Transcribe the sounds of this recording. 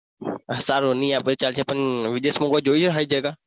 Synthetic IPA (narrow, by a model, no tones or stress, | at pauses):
saːɾoːnĩːaːpːt͡ʃaːlt͡ʃʰeːpənʋɪɗ̪eːsmõːɡoːd͡ʒoːit͡ʃːɦaːiːd͡ʒəːɡaː